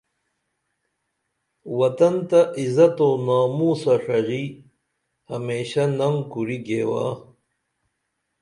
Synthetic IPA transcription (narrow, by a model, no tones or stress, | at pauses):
wɐt̪ɐnt̪ɐʔizɐt̪oːnaːmusɐʂɐɣi | hɐmeːɕɐnɐŋkuɾiɡeːwa̰ː